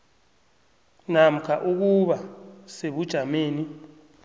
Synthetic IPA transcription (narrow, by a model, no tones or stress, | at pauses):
nam̩kʰaʔuk̬uɓaseɓud̥ʒ̥ʱameːni